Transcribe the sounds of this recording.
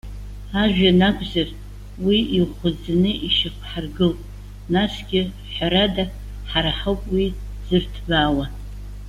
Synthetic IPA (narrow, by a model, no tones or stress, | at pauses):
aʒᶣanaɡʷʰʼzar | wiiχʷʊd͡zanɨʔiʃakʷʰħarɡɨlpʼ | nasɡʲɪ | ħʷaɾada | ħaɾaħowpʼwi | z̥ɨrtʰbʷaːwa